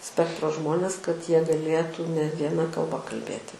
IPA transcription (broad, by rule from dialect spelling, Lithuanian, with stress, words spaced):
ˈsʲpʲæːktroː ˈʒmoːnʲɛs kɐt ˈjiɛ ɡɐˈlʲeːtuː nʲɛ ʋʲiɛˈnɐ kɐlˠˈbɐ kɐlʲˈbʲeːtʲɪ